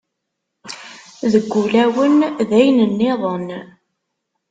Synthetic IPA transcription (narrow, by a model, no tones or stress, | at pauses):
ðəɡʷːulæwənðæjnənːɪðˤən